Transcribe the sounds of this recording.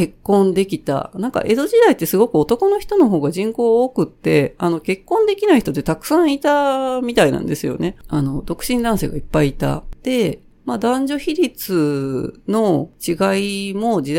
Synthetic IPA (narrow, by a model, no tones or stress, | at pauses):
ke̞kːõ̞nd̪e̞kʲit̪a̰nãŋka̰ʔe̞d̪o̞ʑid̪ait̪ːe̞sɨɡo̞kɯ̟o̞t̪o̞ko̞no̞çi̥t̪o̞no̞ɦo̞ːɡaʑĩŋko̞ːokɯ̟t̪ːe̞ano̞ke̞kːõ̞nd̪e̞kʲinaiçit̪ot̪ːet̪akɯ̟̥sãɰ̃it̪amʲit̪ainã̰nd̪e̞sɨjo̞̰ne̞ano̞d̪o̞kɯ̟̥ɕĩnd̪ãɰ̃se̞ːɡaipːaiːt̪a̰d̪̥e̞ | mad̪ãɲ̟d͡ʑo̞çiɾʲit͡sɨno̞t͡ɕiɡaimo̞d͡ʑi